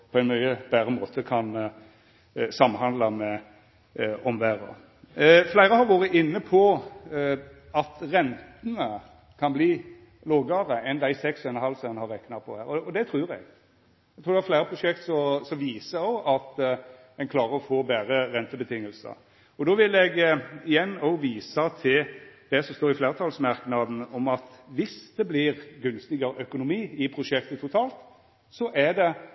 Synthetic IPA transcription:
pʰɔɛɪnmœʏəb̥æːɾəmoːt̪ʰəkʰɑn | sɑmːhɑnd̪lɑmɛ | ɔmʋæːɾə̰ | flæɪɾəhɑɾʋɑːɾəʔɪnːəpʰɔ | ɑt̪ɾɛnt̪ənə | kʰɑnbliː | loːɡəɾəɛnd̪æɪsɛksɔɛnɦɑlsənhɑɾɛknɑpʰɔ̰hæːɾɔɔd̪ɛt̪ʰɾʉːɾɛ̰ɡ | ɛɡt̪ɾuːɾd̪ɛæflæɪɾəpʰɾʊʂɛkt̪sɔsɔmʋiːsəɔʔɑt̪ | ɛnkʰlɑːʁəɾɔfoːbæːɾəɾɛnt̪əbət̪ʰɪŋːəlsə̰ | ɔd̪oːʋɪlɛɡɪjɛnːɔʋiːsɑt̪ʰɪld̪̥ɛsɔmst̪oːɾɪfleːʁt̪ʰɑlsmɑɾknɑd̪n̩ɔmɑt̪ʋɪsd̪ɛblɪɾɡʉnst̪ɪɡɑɾəʔœkʊnʊmiːɪpʰɾʊʂɛk̚t̪ət̪ʰʊt̪ʰɑːlt̪ | sɔʔæd̪ɛ

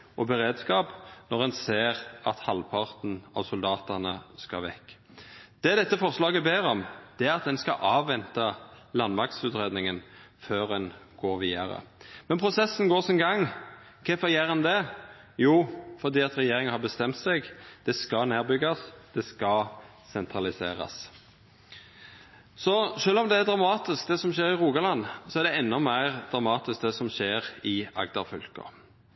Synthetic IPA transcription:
ʔɔbəʁeːd̪skɑːpnɔʁɛnseːʁɑt̪hɑlpʰɑʁt̪n̩ɑ̰ʋsʊld̪ɑːt̪ənəskɑ̰ʋɛ̰kː | d̪̥ɛːd̪ɛt̪ːəfɔʁslɑːɡəbeːɾɔmd̪̥ɛæɾɑt̪̚d̪ɛnskɑ̰ʔɑːʋːɛnt̪ɑlɑnmɑkt̪sʉːt̪ɾeːd̪nɪŋənføːɾɛnɡ̥oːʁʋiːɑɾə̰mɛnpʰʁʊsɛsːn̩ɡoːʁsɔnɡɑŋ | kʰɛfɔjeːɾənd̪ɛjuːfɔd̪iːɑt̪ɾɛjeːɾɪŋənhɑɾbəst̪ɛmt̪sɛɡd̪̥ɛskɑneːʁbʏɡɑsd̪̥ɛskɑ | sɛnt̪ʰɾɑlɪseːɾɑ̰s | sɔʃøːlɔmd̪ɛæɾd̪ʁɑmɑːt̪ɪsk̚d̪ɛsɔmʃeːɾɪʁuːɡɑlɑnsɔæʁɖ̪ɛɛnːɔmæɪʁd̪̥ʁɑmɑːt̪ɪsk̚d̪ɛsɔmʃeːɾɪɑ̰ɡd̪ɑʁfʏlkɔ̰

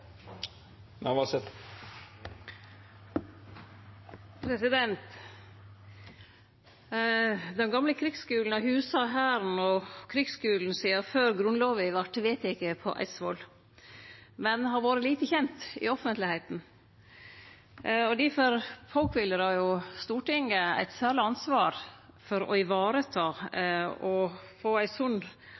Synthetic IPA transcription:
mɛʋɑsɛt̪ | pʰɾɛsɪd̪ɛnt̪ | d̪ɛnɡɑmləkʰɾɪkskʉːln̩ɑhʉːsɑɦæːɾn̩ɔkʰɾɪɡskʉːln̩siːɑføːɾɡɾʉnloːʋɪʋæʈːʋeːt̪jæɪkːəpʰɔ̰ʔæ̰ɪsʋɔl | mɛnɦɑɾʋoːɾəliːt̪əçɛnt̪ɪ̰ɔfənt̪lɪhɛɪt̪n̩ | ɔd̪ɪfɔɾfɔlkʋɪlːəɾɑɾjʊst̪uːʈɪŋːəæ̰ɪt̪sæːɭɪɑnsʋɑːɾ | fɔɾɔ̰ɪʋɑːɾət̪ʰɑː | ɔfoːæɪsʉn

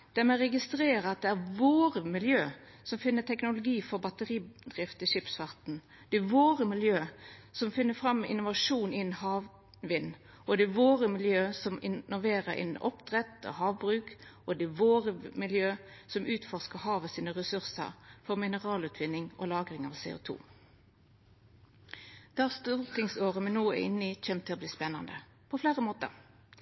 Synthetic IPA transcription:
d̪̥æʁmɛʁɛɡɪst̪ɾeːɾəɑt̪̚d̪ɛæʁʋoːɾəmɪljøː | sɔmfɪnːət̪ʰɛknʊlʊɡiːfɔɾbɑt̪əʁiːbd̪ʁɪft̪ɪʂɪpsfɑʁt̪n̩ | d̪̥ɛʋoːʁəmɪljøːsɔmfɪnːəfɾɑmːɪ̰nʊʋɑʂuːnɪn̩hɑːʋ | ʋɪnː | ʔɔd̪ɛʋoːɾəmɪljøːsɔmɪ̰nɔlʋeːɾəɾɪ̰nn̩ʔɔ̰pd̪̥ʁɛt̪ɔ̰hɑːʋbɾʉːkʔɔd̪ɛʋoːʁəmɪljøːsɔmʉːt̪fɔʁskəʁhɑːʋəsiːnəʁɛsʉʁsə̰ʁfɔʁmɪnəʁɑːlʉːt̪ʰʋɪnɪŋo̰lɑːɡʁɪŋɑ̰ːʋsḛːʊ̰ːt̪ʰṵː | d̪̥ɑːst̪uːʁt̪ʰɪŋsoːʁəmɛnoːæ̰ɪ̰nːəɪc͡çʰeːmt̪ʰɪlɔbliːspɛnːɑnd̪ə | pʰɔfleːʁəmoːt̪ə̰ʁ

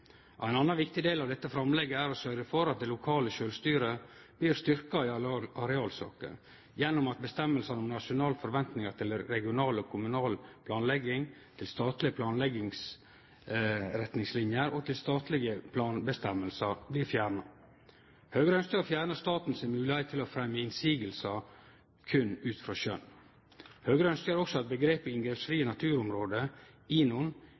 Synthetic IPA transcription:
æɪnɑnːɑnʋɪkt̪ɪd̪eːlɑʋd̪ɛt̪ːəfɾɑmlɛɡːəæɾɔsœɾɡəfɔɾɑt̪̚d̪ɛlʊkʰɑːləʃøːlst̪yːɾəb̥liːɾst̪ʏɾkɑɪɑɾɛɑːlsɑ̰ːkə̰ | jɛnːʊmɑt̪̚bəst̪ɛmːəlsɑnɔmnɑʂʊnɑːlfɔɾʋɛnt̪nɪŋɑɾt̪ʰɪlɾɛɡɪʊnɑːlɔkʰʊmʉnɑːlpʰlɑːnlɛɡːɪŋt̪ʰɪlst̪ɑːt̪lɪəpʰlɑːnlɛɡɪŋs | ɾɛt̪nɪŋslɪnjəɾɔt̪ʰɪlst̪ɑːt̪lɪɡəpʰlɑːnbəst̪ɛmːəlsɑɾbliːfjæːɾɳɑ | høːɡɾəœnsk̪əɑfjæːɾɳəst̪ɑːt̪n̩sɛmʉːlɪhɛɪt̪ʰːɪlɔfɾɛmːəɪnsiːɡəlsɑ | kʰʉnʉːt̪fɾɑʃœ̰n | høːɡɾəœnsk̪əəɾɔksɔɑt̪̚bəɡɾeːpəɪnɡɾɛpsfɾiːənɑt̪ʰʉːɾʊmɾoːd̪ə | ɪnʊn

